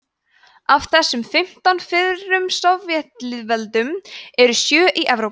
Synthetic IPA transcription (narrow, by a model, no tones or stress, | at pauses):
av̥θɛsːʏmfɪm̥t̪anfɪðɾʏmst̪avvjɛht̪lɪðvɛlt̪ʏmɛɾʏsjœːʔiʔɛvɾo